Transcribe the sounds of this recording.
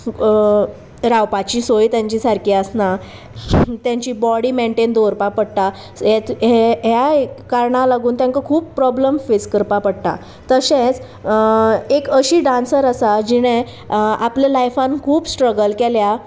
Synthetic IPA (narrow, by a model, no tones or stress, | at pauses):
ɾawpat͡ɕiːsojt̪jãɲt͡ɕiːsaɾkiːəsna | t̪jãɲt͡ɕiːbɔɽiːmeɳʈend̪oɾpapəɽt̪a | ɦet̪ɦeɦjakaɾɳalaɡuːnt̪jãŋkəkʰuːpːɾɔbləmfeskəɾpapəɽt̪a̰ | t̪əɕẽt͡s | ekəɕiːɖãnsəɾəsad͡ʑiɽ̃ẽ | aplalajfãnkʰuːpsʈɾəɡəlkelja